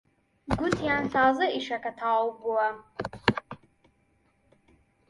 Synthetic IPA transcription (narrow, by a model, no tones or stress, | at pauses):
ɡʷʊtʰjaːnɬʰaːzɨiʂakatʰaːwbwa